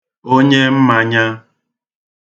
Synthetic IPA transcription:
o˦ɲe˦m̩˦ma˨ɲa˦

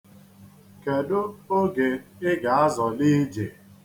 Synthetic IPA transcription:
ke˨dʊ˦o˦ɡe˨ɪ˦ɡa˨a˦zɔ˨li˦d͡ʒe˨

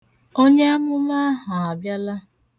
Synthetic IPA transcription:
o˦ɲe˦a˦mʊ˦ma˦ɦa˨a˨bja˦la˦

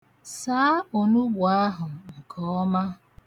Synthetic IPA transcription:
saː˨˦o˨nu˦ɡʊ˨a˦ɦʊ˨ŋ̩˨kʰɔ˨˦ɔ˦ma˦

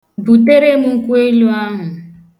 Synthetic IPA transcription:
bu˨te˦ɾe˦mu˦ŋ̩˦ku˦e˦lu˦a˦ɦʊ̃˨

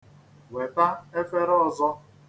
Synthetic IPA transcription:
we˨ta˦e˦fe˦ɾɔ˦zɔ˦

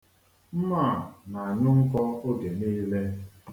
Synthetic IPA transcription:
m̩˦ma˦˨na˨a˨ɲʊ˦ŋ̩˦kɔ˦o˦ɡe˨niː˦le˦

